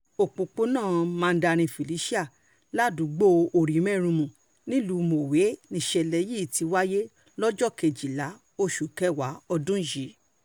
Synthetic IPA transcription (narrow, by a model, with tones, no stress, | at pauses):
o˨k͡põ˨k͡po˦nãː˦˨mãː˧˦da˧ɾ̃ĩ˧fi˨li˨˦ʃi˦a˦˨ | la˦˨dũ˨˦ɡ͡bo˦o˨ɾi˨˦mɛ˦˨ɾ̃ũ˧mũ˨ | nĩ˦lu˨˧˦mo˨we˨˦nĩ˧˨ʃɛ˧˨lɛ˨˧˦ji˦˨ti˨˧wa˦je˦ | lɔ˦d͡ʒɔ˦˨ke˧d͡ʒi˨la˨˦ | o˧ʃu˨kɛ˦wa˨˦ɔ˧dũ˦ʃi˨˦